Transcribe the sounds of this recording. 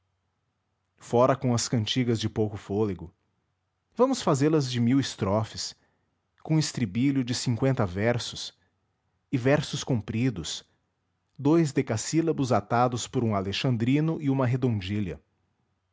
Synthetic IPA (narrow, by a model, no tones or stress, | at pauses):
fɔɾɐkõw̃ɐskɐ̃nt͡ʃiɡɐzd͡ʒɪpowkʊfoleɡʊ | vɐ̃mʊsfazelɐzd͡ʒɪmiwɪst̪ɾɔfɪs | kõɪst̪ɾibilʊd͡ʒɪsĩkwẽnt̪ɐvɛɾsʊ̥s | ɪvɛɾsʊskõmpɾid̪ʊs | d̪ojzd̪ekasilɐbʊzat̪ad̪ʊspʊɾũaleʃɐ̃nd̪ɾĩnʊʔɪũmɐɦed̪õd͡ʒilɐ